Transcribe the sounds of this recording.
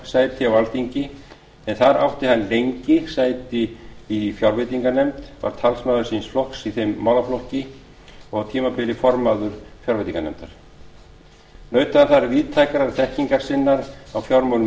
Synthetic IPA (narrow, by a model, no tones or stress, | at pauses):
sajt̪ʰɪawalt̪iɲcɪ | ɛnθaɾa̰wht̪ɪhanːlejɲcɪsaːjt̪ɪifjawɾvɪt̪iŋkanemt̪va̰ɾ̥t̪ʰalsmaːðʏɾsinsflɔhksiθejmːaːwlaflɔhcɪ | ɔɣt̪ʰiːmapɪlɪfɔɾmaðʏɾ̥fjawɾvɪt̪iŋkanɛ̰mt̪aɾ̥ | nœːɥt̪aanθaɾviːðt̪ʰaːjkaɾaɾ̥θɛhciŋkaɾ̥sɪnːaɾawfjɔwɾmœwnʏ